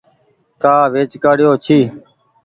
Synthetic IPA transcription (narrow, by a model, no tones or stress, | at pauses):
kaːʋeːt͡ʃkaːɽɪjoːt͡ʃʰiː